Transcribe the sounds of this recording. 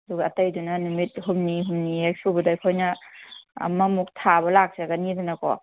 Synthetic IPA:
ɐduɡaːtajdunɐnumit̚ɦumniɦumniek̚subɐdajkʰojna̰ː | mɐmuk̚tʰabɐlak̚seɡanidunɐkɔ̰

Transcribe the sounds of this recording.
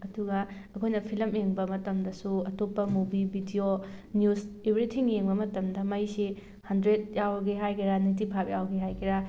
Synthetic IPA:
ɐduɡɐɐkʰojnɐpʰilɐmeŋbɐmɐtɐmdɐsuɐtopːɐmobibʱidionjusebɾitʰiŋjeŋbɐmɐtɐmdɐmɐjsi | hɐndɾet̚jawɡeɦajkʰiɾanitipʰapjawɡeɦajkʰiɾa

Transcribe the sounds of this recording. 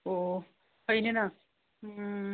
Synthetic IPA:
o | kʰʌjnenʌ

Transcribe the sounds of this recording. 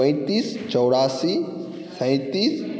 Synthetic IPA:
ə̃ɪ̃t̪iːst͡ʃɔwɽaːsi | sə̃j̃t̪iːs

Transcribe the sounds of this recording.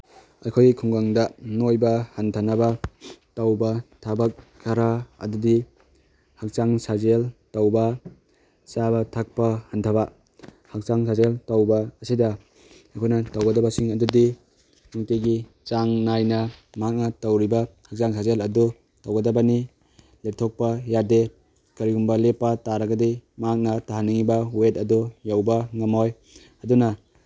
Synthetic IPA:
ɐkʰojikʰuŋɡaŋdɐnojbɐhantʰanabɐtawbɐtʰabak̚kʰaɾaɐ̰dudi | hak̚t͡ʃaŋsazeltawbɐ | sabɐtʰak̚pɐhantʰaba | hak̚t͡ʃaŋsazeltawbɐːsidɐ | ɐkʰojnɐtɐwɡɐdɐbɐsiŋɐdudi | ŋukeɡi | t͡ʃaŋnajnɐ | mak̚nɐtɐwɾibɐhak̚zaŋsʰazelɐdu | tɐwɡɐdɐbɐni | lep̚tʰok̚pɐjade | kɐɾiɡumbɐlepːɐtaɾɐɡɐdimak̚nɐtaɦanːiŋibɐwet̚ɐdujawbɐŋɐmoj | ɐdunɐ

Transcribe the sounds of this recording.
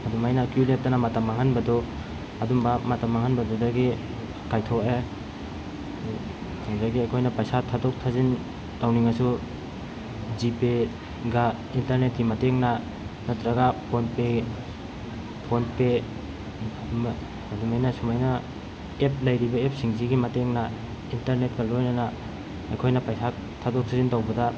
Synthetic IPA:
adumajnakulep̚tanamatamaŋanbɐdɔ | adumbamatamaŋanbɐdɔdaɡi | kajtʰoe | hawzajɡiakʰojnɐpajsatʰːatdɔk̚tʰazin | tawniŋasu | d͡ʒipe | ɡa | intaɾnetkimateŋna | nɐtɾaɡapʰonpe | pʰonpe | adumajnɐsumajnɐ | ep̚ʰlɐjɾibɐep̚siŋziɡimɐteŋnɐ | intaɾnet̚ɡɐlojnɐna | ɐjkʰojnɐpajsa | tʰadok̚tʰazintawbɐda

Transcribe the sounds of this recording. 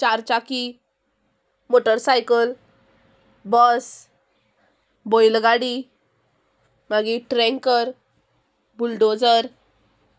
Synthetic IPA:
t͡ɕaɾt͡ɕaki | moʈəɾsajkəl | bəs | bojlɡaɽi | maɡiʈɾɛ̃ŋkəɾ | bulɖod͡zəɾ

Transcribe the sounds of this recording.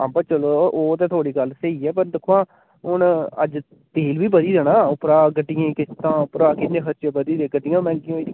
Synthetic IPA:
ã̰ːbaːt͡ʃəloːʔoːt̪̬eːt̪ʰoːɽiːɡəlsəiːɛːpəɾd̪ɪkʰːoãː | ɦʊnə̰d͡ʒ | t̪eːlʋiːbəd̪iːɾɛːnãːʊpɾaːɡəɖɪjẽːkɪst̪ãːʊpɾaːkɪnːẽːxəɾt͡ʃeːbəd̪iːɾeːɡəɖɪjãːmɛ̃ːŋkijːiːd̪

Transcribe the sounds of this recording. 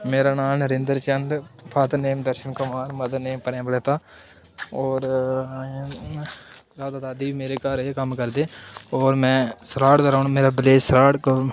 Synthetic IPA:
meːɾaːnaːməɾɪ̃nd̪əɾt͡ʃənd̪pʰaːt̪neːmd̪əɾʃənkʊmaːɾməd̪əneːmpəɾẽːbəleːt̪aː | ɔːɾ | zaːd̪aːd̪aːd̪iːimeːɾeːkaːɾeːkəmkəɾd̪eːɔːɾmɛ̃ːsɾaːʈd̪əɾaːnːmeːɾaːbɪleːd͡ʒsɾaːʈk

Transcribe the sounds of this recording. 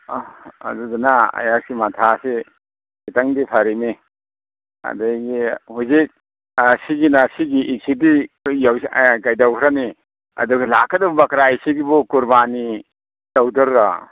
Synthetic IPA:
a̰dudanaɐ̰jak̚simatʰasi | itaŋdipʰaɾimi | ɐ̰dajɡihuzik̚ | siɡinasiɡiʔːsidijawkajdawkʰɾani | ɐ̰duɡilakːadɐbubakɾaisiɡibukuɾbani | dawdɔɾɾa

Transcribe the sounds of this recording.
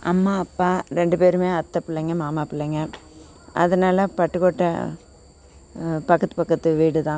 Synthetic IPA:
ɐ̰mːaːɐpːaːɾɛɳɖɯpeːɾɯmeːɐt̪ːɐpɪɭːɐŋɡɐmaːmaːpɪɭːɐŋɡɐ | ɐ̰ðɐnaːlɐpɐʈːɯkoːʈːɐ̰ | pɐkːɐt̪ːɯpɐkːɐt̪ːɯʋiːɽɯt̪ãː

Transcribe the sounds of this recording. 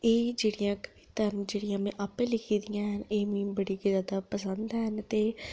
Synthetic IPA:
eːd͡ʒeːɽijãːkəʋiːt̪əɾnd͡ʒeːɽijãːmɛ̃ːʔaːpẽːlɪkʰiːd̪ijãːɦəneːmĩːbəɽiːkizjaːd̪aːpəsənd̪ɦənt̪eː

